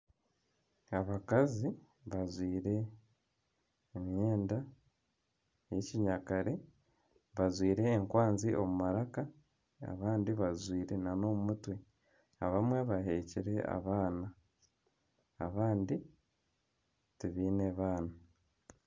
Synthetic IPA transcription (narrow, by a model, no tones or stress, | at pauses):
aβakazi | βazwiːɾe̞ | mje̞ːnda | jeciɲakaɾe̞ | βazwiːɾe̞ːŋkwaːnziʔomumaɾaka | a̰βaːndiβazwiːɾe̞nano̞mumutwe̞ | aβamwe̞βaɦe̞ciɾe̞a̰βaːna | βaːndi | tiβiːneβaːna